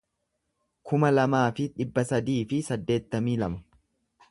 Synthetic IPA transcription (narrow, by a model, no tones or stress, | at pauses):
kʰʊmɐlɐmaːfɪᶑɪbːɐsɐd̪iːfɪsɐd̪ːe̞ːt̪ːɐmiːlɐmɐ̥